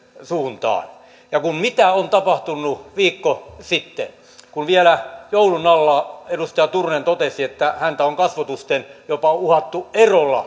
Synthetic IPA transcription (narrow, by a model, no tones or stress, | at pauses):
suːnt̪ɑ̰ːn | jɑkummit̪æont̪ɑpɑht̪unːuʋiːkːosit̪ːḛ | kunʋielæjoulunɑlːɑːedust̪ɑjɑt̪urnent̪ot̪esiet̪ːæhænt̪æoŋkɑsʋɑt̪ust̪enjopɑuhɑt̪ːuʔerolːɑ̰